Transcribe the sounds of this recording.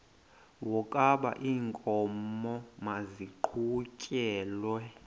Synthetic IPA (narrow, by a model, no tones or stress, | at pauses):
wɔkʼaɓa̰ʔiːŋkʼɔmɔmaziǃʰucʼɛːlwɛ